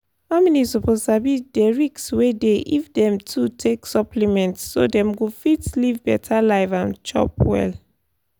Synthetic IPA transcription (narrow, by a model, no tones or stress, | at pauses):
haʊmɛnisɔpoztabideɹikswedeʔifdɛ̃mtʰutʰeksɔpʰlimɛ̃ntsːo̰dɛ̃mɡofitlivbɛtʰalaɪvãnt͡ʃɔ̰pwɛ̰l